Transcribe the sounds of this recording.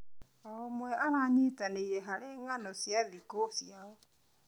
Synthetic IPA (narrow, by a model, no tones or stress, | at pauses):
aomwɛaɾaɲitaneiɾɛɦaɾeŋanɔsjaðikosjaɔ